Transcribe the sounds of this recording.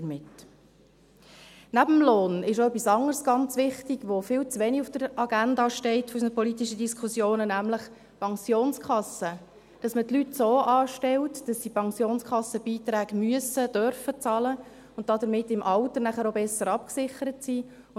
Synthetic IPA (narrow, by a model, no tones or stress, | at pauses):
mɪt | næbəmloːnɪʃoœpːisɑŋəɾsɡ̥ɑnt͡sʋɪχtiɡʋofɪːlt͡sʋɛniufd̥əɾɑɡændɑʃtɛɪtfɔysənəpɔlitiʃəd̥iskχusjoːnənæmləχ | pʰɑŋsjoːnskʰɑsə | d̥ɑsmətlytsoːʔɑːʃtɛltd̥ɑsdipʰɑŋsjoːnskχɑsːəb̥iːt̪ɾæːɡ̥myəsəd̥œɾfət͡sɑlə | ʊnt̚d̥ɑdəɾmɪtːɪmʔɑltənæχəɾobɛsːəɾɑpksɪχəɾətsiː